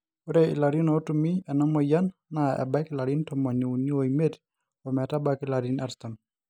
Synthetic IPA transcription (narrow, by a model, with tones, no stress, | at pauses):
u˦ɾe˦ḭ˨la˨ɾi˦no˨˦tu˨mi˦ɛ˨nɔ˦mɔ˨ja˦nːa˨ɛ̰˨ba˦ki˦la˨ɾi˦ntɔmɔ˨ni˨u˨ni˦o˨i˨me˦d | ɔ˨mɛ˨ta˦ba˦ki˦la˨ɾi˦na˨ɾsta˨m